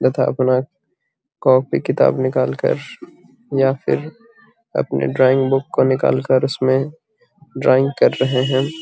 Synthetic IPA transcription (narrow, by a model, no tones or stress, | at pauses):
d̪ɐt̪ʰa̰ːɐpnaː | kɔːk̚pikɪt̪a̰ːbnɪkaːlkɐ̰ɾ | jaːfʰɪ̰ɾ | ɐ̰pnḛɖɾaːɪ̃ŋɡbʊkːonɪka̰ːlkəɾʊsmẽ | ɖɾaːɪ̃ŋɡkɐɾːɐɦeɦɛ̃ː